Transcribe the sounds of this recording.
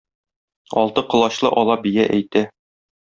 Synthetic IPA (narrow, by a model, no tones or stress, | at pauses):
ɒ̰lˠt̪ɤqɤ̆lˠɑɕlˠɤʔɒlˠɑbijæʔæjt̪æ